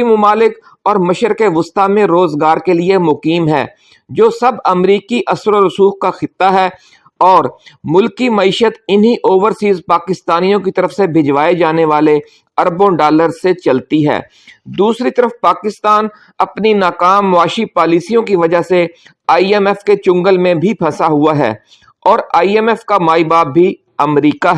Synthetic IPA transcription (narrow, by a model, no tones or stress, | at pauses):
imʊmaːlɪk | ɔːɾmɐʃəɾkeʋʊst̪amẽɾoːzɡaːɾkeliemʊkiːmɦɛ̰ː | d͡ʒoːsɐbɐmɾiːkiʔɐsɾoɾʊsuːxkaxɪt̪ːaɦɛː | ɔːɾmʊlkːimɐiːʃət̪ɪnɦiʔoːʋəɾsiːzpaːkɪst̪aːnijõkit̪ɐɾəfsebʱɪd͡ʒʋaːed͡ʒaːneʋaːle | ɐɾbõɖaːləɾset͡ʃɐlt̪iɦɛ̰ː | d̪uːsɾit̪əɾəfpaːkɪst̪aːn | ɐpninaːkaːmːʊaːʃipaːliːsijõkiʋɐd͡ʒase | aːiɛmɛfket͡ʃʊ̃ŋɡəlmẽbʱipʰɛsaɦʊaɦɛ̰ː | ɔːɾaːiɛmɛfkamaːibaːbːi | ɐmɾiːkaɦɛ